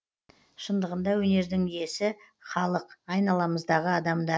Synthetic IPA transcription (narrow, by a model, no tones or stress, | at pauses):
ʃənd̪əʁənd̪ɑwɵne̞ɾd̪ɪŋije̞sɪ | χɑlˠəqɑjnɑlˠɑməzd̪ɑʁəɑd̪ɑmd̪ɑ